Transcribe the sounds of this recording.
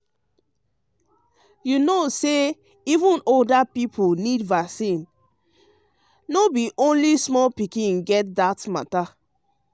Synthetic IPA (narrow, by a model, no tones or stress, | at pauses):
junose | ivũnoldapipʰunidvasĩn | nobiʔõnlismɔlpikĩnɡɛt̚datmata